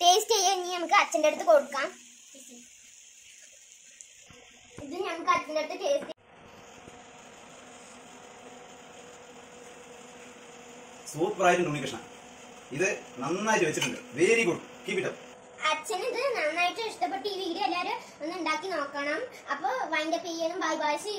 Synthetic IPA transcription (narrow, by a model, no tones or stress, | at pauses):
ʈeːstejanːiːnɐmukːɨɐt͡ɕːɐndeɽut̪ːɨko̞ɽukːaːm | iðɨɲɐmːɐkːɨɐrt͡ɕːɐndeɽt̪ːɨteːst | suːpraːjɐɾunɖuɳːikːɐʂɳɐ̰ | iðɨnɐnːaːjiʈːɨʋet͡ɕːiʈːuɳɖɨ̰ʋeːɾikoukiːpːiʈːɐ | ɐt͡ɕːɐniðɨnɐnːaːjiʈːɨiʂʈɐp̬ːeʈːɨiːʋiɡɾɐelːaːɾɨ | onːuɳɖaːkːino̞ːkːɐːɳɐm | ɐpːoːʋɐjndɐpijenːumbaːlbaːʋɐɕɨ